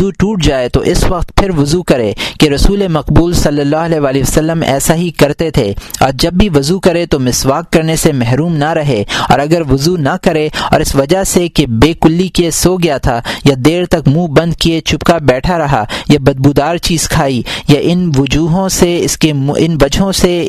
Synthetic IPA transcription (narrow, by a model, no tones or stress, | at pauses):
zuʈuːʈ̚d͡ʒaːet̪oʔɪsʋɐqt̪pʰɪɾʋʊzukɐɾḛːkeɾɐsuːlemɐqbuːlsɐlːəlːaːɦɐlɛɦʋaːliʋɐsɐlːəmɛ̰ːsaɦikɐɾt̪et̪ʰeːɔ̰ːɾd͡ʒɐbːiʋʊzukɐɾet̪omɪswaːkːɐɾnesemɛɦɾuːmnaɾɐɦeɔ̰ːɾɐɡəɾʋʊzunɐkɐɾeɔ̰ːɾɪsʋɐd͡ʒasekebeːkʊlːikesoːɡɪjat̪ʰajad̪eːɾt̪ɐkmũːbɐ̃nd̪kiet͡ʃʰʊpkabɛːʈʰaɾɐɦajabɐd̪̚bud̪aːɾt͡ʃiːz̥kʰaːijaʔɪnʋʊd͡ʒuːɦõseɪskeɪ̰nʋɐd͡ʒɦõse